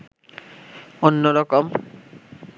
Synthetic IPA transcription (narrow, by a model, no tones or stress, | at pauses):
onːoɾɔkom